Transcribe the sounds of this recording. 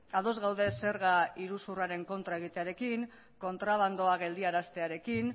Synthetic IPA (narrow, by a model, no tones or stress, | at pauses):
aðo̞zɣawðe̞se̞ɾɣaiɾusuraɾe̞ŋko̞nt̪ɾae̞ɣ̞it̪eaɾe̞kiŋ | ko̞nt̪ɾaβ̞and̪o̞aɣe̞ld̪iaɾast̪e̞aɾe̞kin